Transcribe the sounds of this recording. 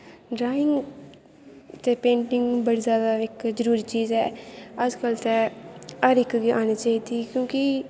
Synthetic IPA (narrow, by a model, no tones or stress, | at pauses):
ɖɾaːɪŋɡ | t̪eːpẽːɳʈɪŋɡbəɽiːzjaːd̪aːɪkzəɾuːɾiːt͡ʃiːzɛːəd͡ʒkəlt̪ɛːəɾɪkɡiːaːñeːt͡ʃaːiːd̪iːkjõːki